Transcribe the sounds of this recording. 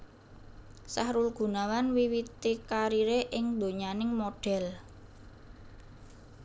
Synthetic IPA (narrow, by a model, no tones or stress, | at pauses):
sahɾʊlɡ̥ṳnawanwiwit̪ikaɾiɾeʔɪŋd̪o̤ɲanɪŋmoɖ̥ɛ̤l